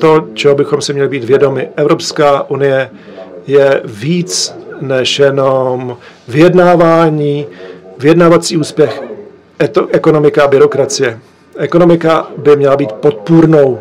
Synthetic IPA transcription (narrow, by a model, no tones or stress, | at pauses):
t̪o̞t͡ʃɛɦobɪxo̞msɪmɲɛlɪbiːt̪vjɛdo̞mɪʔɛvɾo̞pskaːʔunɪjɛ | jɛviːt͡snɛʃjɛnom | vɪjɛdnaːvaːɲiːvɪjɛdnaːvat͡siːuːspjɛx | ʔɛʔɛko̞no̞mɪkaabɪɾo̞kɾat͡sɪjɛ | ʔɛkonomɪkabɪmɲɛlabiːt̪pot̪̚puɾno̞w